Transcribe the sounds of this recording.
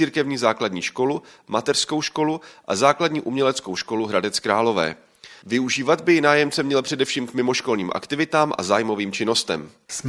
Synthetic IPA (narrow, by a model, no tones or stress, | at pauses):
iːɾkɛvɲiːzaːkladɲiːʃko̞lumat̪ɛr̥sko̞wʃko̞luʔa̰zaːkladɲiːʔumɲɛlɛt͡skowʃko̞luɦɾadɛt͡skɾaːlo̞vɛ̰ː | vɪuʒiːvad̪bɪjɪnaːjɛmt͡sɛmɲɛlpr̥ɛdɛfʃiːmkmɪmo̞ʃko̞lɲiːmʔa̰kt̪ɪvɪt̪aːmʔa̰zaːjmoviːmt͡ʃɪno̞st̪ɛ̰m | s